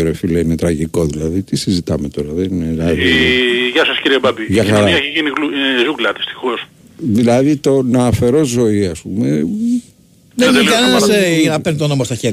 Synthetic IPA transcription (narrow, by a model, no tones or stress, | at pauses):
eɾofileinet̪ɾɐʝiko̞ðilɐðit̪isizit̪ɐme̞t̪o̞ɾɐðeninelɐðiʝɐsɐsciɾiebɐbiʝɐxɐɾɐiɐeçiʝiniɣluzuɡlɐt̪i̥st̪i̥xos | ðilɐðit̪o̞nɐːfe̞ɾo̞zzo̞iɐspume | ðeeɐɐsenɐpeɾnt̪onomɐst̪ɐçeɾ